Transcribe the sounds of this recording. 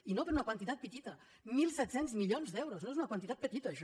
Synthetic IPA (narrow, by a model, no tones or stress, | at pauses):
inopəɾunəkwənt̪it̪at̪̚pət̪it̪ə | milˠsɛt̪senzmiʎonzd̪ɛwɾoznoezunɐkwənt̪it̪at̪̚pət̪it̪əːʃ